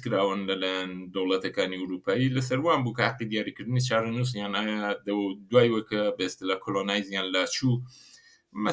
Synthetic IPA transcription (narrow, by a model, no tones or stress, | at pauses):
kɨɾaːwɨnlɐlaːjand̪ɐwlɐt̪ɐkaːniuwɾupaːjilɐsɐɾwaːnbukɐhaqːid̪ijaːɾikɨɾd̪ɨnit͡ʃʰaːɾɐnus̬jaːnajad̪ɐd̪waːjwekɐbɐest̪ɨlaːkʰolonaːjzjaːnlaːt͡ʃʰuː | mɐ